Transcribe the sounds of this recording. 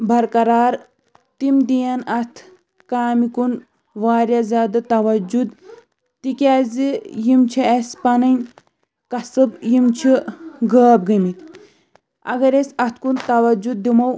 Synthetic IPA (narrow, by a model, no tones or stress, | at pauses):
bʱɐɾkɐɾaːɾ | t̪imd̪ijɐnɐt̪ʰ | kaːmikun | ʋaːɾʲjazʲaːd̪ɨt̪ɐʋɐd͡ʒud̪ | t̪ikʲaːzijimt͡ʃʰiɐspɐnɐnʲ | kɐsɨbjimt͡ʃʰiɡəːb̚ɡɐmit̪ | ɐ̰ɡɐɾesɐt̪ʰkunt̪ɐʋɐd͡ʒud̪̚ːimɐw